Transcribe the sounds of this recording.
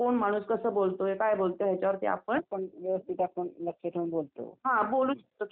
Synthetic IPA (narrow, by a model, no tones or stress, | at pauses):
koɳmaɽ̃uːskəsəːbolt̪oekajbolt̪oɦjat͡ɕaʋəɾt̪ḛa̰pəɳpəɳʋeʋəst̪ʰit̪akoɳləkʂet̪ʰəũɳbolt̪o̰ɦãboluːɕe̥k̚t̪o